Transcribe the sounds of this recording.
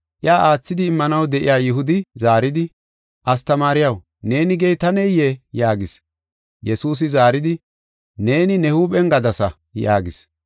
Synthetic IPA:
ʔɪjaːʔaːt͡sːɪd̪ɪːmːɐnɐwd̪ɛʔɪ̰jaːjɪɦʊd̪ɪzaːɾɪd̪ɪ | ʔɐst̪ɐmaːɾɪjɐw | ne̞ːnɪɡejt̪ɐnɛjjːejaːɡɪs | jɛsuːs̬ɪzaːɾɪd̪ɪ | ne̞ːnɪnɛhuːɓɛŋɡɐd̪ɐsɐ | ja̰ːɡɪs

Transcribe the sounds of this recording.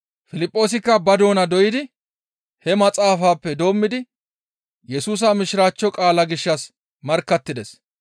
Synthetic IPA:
fɪlɪpʼːo̞ːs̬ɪkːɐbɐd̪o̞ːnɐd̪ɔʔjɪd̪ɪ | hɛmɐt͡sʼaːfaːpːɛd̪o̞ːmːɪd̪ɪ | jɛsuːs̬ɐmɪʃɪɾaːt͡ʃːɔkʼaːlɐɡɪʃːɐs | mɐɾkːɐt̪ːɪd̪ɛs

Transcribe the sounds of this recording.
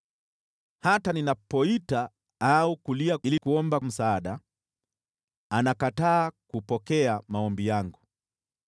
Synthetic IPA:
hataninapɔita | aukuliailikuɔmbam̩saːɗa | anakataːkupɔkɛamaɔmbijaŋɡu

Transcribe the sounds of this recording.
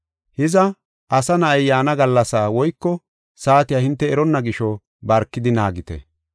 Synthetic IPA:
hɪzɐ | ʔɐsɐnɐɐjjaːnɐɡɐlːɐsaːwɔjkːɔ | saːt̪ɪjaːhɪnt̪ːɛɛɾɔnːɐɡɪʃɔ | bɐɾkːɪd̪ɪnaːɡɪt̪ɛ̰

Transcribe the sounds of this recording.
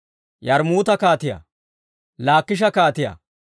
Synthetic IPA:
jɐɾmuːt̪ɐkaːt̪ɪjɐ̰ | laːkːɪʃ̬ɐkaːt̪ɪjɐ̰

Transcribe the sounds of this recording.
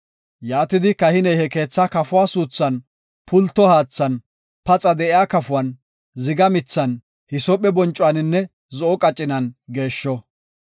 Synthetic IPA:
jaːt̪ɪd̪ɪkɐhɪnɛjhɛke̞ːt͡sːɐkɐfʊwaːsuːt͡sːɐn | pʊlt̪ːɔhaːt͡sːɐn | pɐt͡sʼɐd̪ɛʔɪjaːkɐfʊwɐn | zɪɡɐmɪt͡sːɐn | hɪsɔpʼɛbɔnt͡ʃʼːʊwanɪnːɛ | zɔʔɔkʼɐt͡ʃʼːɪnɐnɡe̞ːʃːɔ

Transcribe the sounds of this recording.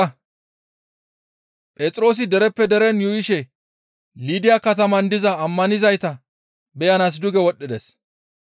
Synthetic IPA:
pʼɛːt͡sʼɾo̞ːs̬ɪd̪ɛɾɛpːɛd̪ɛɾɛnjujɪʃɛ | liːd̪ɪjakɐt̪ɐmɐnd̪ɪzɐːmːɐnɪzɐjt̪ɐ | bɛjɐnaːs̬d̪ʊɡɛwɔɗːɪd̪ɛs

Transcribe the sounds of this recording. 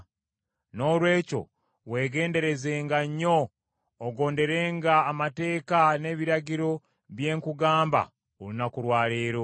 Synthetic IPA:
no̞ːlwe̞ːco̞̰ | we̞ːɡe̞ːnde̞ɾe̞ze̞ːŋɡaɲːo̞ː | ɡo̞ːnde̞ɾeːŋɡaːmate̞ːkane̞ːβiɾaɟiɾo̞ | βje̞ːŋkuɡaːmba̰ | olinakuɾwaːleːɾo

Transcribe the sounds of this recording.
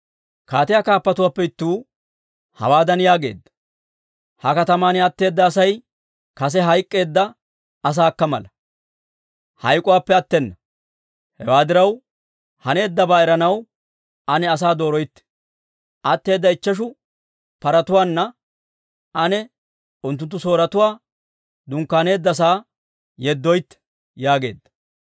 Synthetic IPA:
kaːt̪ɪjaːkaːpːɐt̪ʊwaːpːɛɪt̪ːuː | hɐ̰waːd̪ɐnjaːɡe̞̰ːd̪ːɐ̥ | hɐkɐt̪ɐmaːnɛɐt̪ːe̞ːd̪ːɐːsɐj | kɐs̬ɛɦɐjkʼːe̞ːd̪ːɐ | ɐs̬aːkːɐmɐlɐ | hɐ̰jkʼːʊwaːpːɛɐt̪ːɛnːɐ | hɛ̰waːd̪ɪɾɐw | hɐne̞ːd̪ːɐbaːɛɾɐnɐw | ɐnɛɐs̬aːd̪o̞ːɾɔjt̪ːɛ̥ | ʔɐt̪ːe̞ːd̪ːɐɪt͡ʃːɐʃ̬ʊ | pɐɾɐt̪ʊwaːnːɐ | ɐnɛ | ʊnt̪ːʊnt̪ːʊso̞ːɾɐt̪ʊwaː | d̪ʊŋkːaːne̞ːd̪ːɐs̬aː | jɛd̪ːɔjt̪ːɛ̥ | jaːɡe̞ːd̪ːɐ̥

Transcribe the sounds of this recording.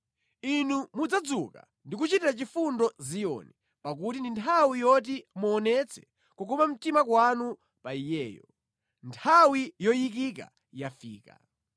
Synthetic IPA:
inumud͡zad͡zuka̰ | ndikut͡ʃitiɾat͡ʃifundɔzijɔ̰ni | pak̬utindintʰawijɔt̬imuɔnɛt͡sʰɛ̥ | kukumam̩timakwanu | paijɛːjɔ | ntʰawijɔjik̬ik̬a̰ | jafiːka̰

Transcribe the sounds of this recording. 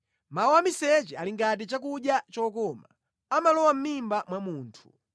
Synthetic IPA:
maɔwamisɛt͡ʃɛaliŋɡat̬it͡ʃak̬uɗjat͡ʃɔːkɔma | amalɔwam̩mimbamwamuːntʰu̥

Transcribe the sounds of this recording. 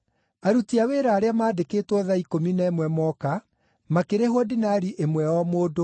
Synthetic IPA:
aɾutiaweːɾaːɾeamaːdekeːtwɔðaikominaɛmwɛmɔka | makeɾeɦwɔdinaːɾiʔemwɛɔmoːdo

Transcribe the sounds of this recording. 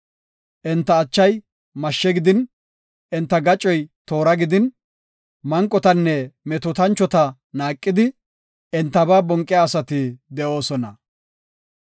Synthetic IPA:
ʔɛnt̪ːɐːt͡ʃːɐj | mɐʃːɛɡɪd̪ɪn | ɛnt̪ːɐɡɐt͡ʃʼːɔjt̪o̞ːɾɐɡɪd̪ɪn | mɐŋkʼːɔt̪ɐnːɛmɛt̪ʊt̪ɐnt͡ʃːɔt̪ɐ | naːkʼːɪd̪ɪ | ɛnt̪ːɐbaːbɔŋkʼːɪaːsɐt̪ɪd̪ɛʔo̞ːsɔnɐ

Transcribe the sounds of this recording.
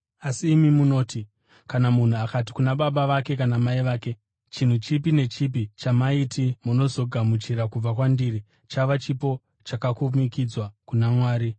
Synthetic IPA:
asiːmimuno̞ːti | kanamun̤uakat̬i̥kunaɓaɓaʋake̞kanamaiʋaːke̞ | t͡ʃin̤ut͡ʃipine̞t͡ʃipit͡ʃamaitimuno̞zo̞ɡʱamut͡ʃiɾakub͡vakwandiːri | t͡ʃaʋat͡ʃipo̞ | t͡ʃakakumikid͡zwakunamwaːɾi

